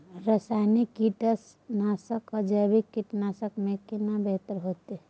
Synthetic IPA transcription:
ɾəsanikːiʈəs | nasəkəd͡ʒəbikːiʈnaːsəkmẽkinabeɦt̪əɾɦoːt̪e

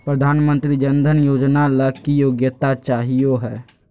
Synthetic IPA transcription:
pɾəd̪ʱaːnmə̃nt̪ɾid͡ʒənd̪ʱənjoːd͡ʒnaləkijoːɡjət̪at͡ʃaːɦijoɦɛː

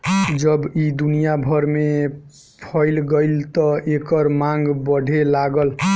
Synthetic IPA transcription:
d͡ʒʌbid̪unijabʱʌɾme | pʰʌjlɡəjlt̪ɔekəɾmãŋɡbəɖʱelaɡəl

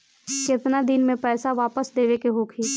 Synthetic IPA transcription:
kɪt̪nad̪ɪnmẽpɛːsaʋaːpəsd̪eːʋekeɦoːkʰiː

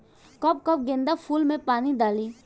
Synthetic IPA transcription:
kəp̚kəp̚ɡẽːnd̪apʰuːlmẽpaːnid̪aːliː

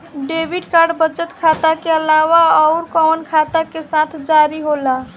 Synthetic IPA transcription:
ɖebʱiɖkaɾɖbət͡ʃət̪kʰat̪akeəlawaɔʊɾkɔnkʰat̪akesat̪ʰd͡ʒaɾiɦola

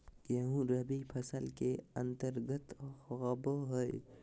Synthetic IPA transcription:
jɐɦũɾɐbipʰɐsəlkeɐ̃nt̪əɾɡət̪ːɣɐboɦoj

